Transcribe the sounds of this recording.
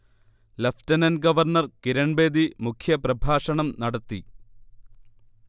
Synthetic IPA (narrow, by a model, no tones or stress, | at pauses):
lɐftɐnɐnɡɐʋɐrɳɐrkiɾɐɳbeːd̪imukʰjɐprɐbʱaːʂɐɳɐmnɐɽɐt̪ːi